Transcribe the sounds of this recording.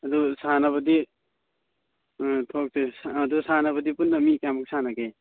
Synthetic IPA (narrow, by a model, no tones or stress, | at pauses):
ɐd̪usanaβʌdi | tʰok̚sesaːd̪usanabʌdipunːamikamuk̚sanake